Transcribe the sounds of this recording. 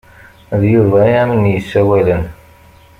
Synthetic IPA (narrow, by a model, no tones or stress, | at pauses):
ðjuɾvæjæmənjəsːæwælən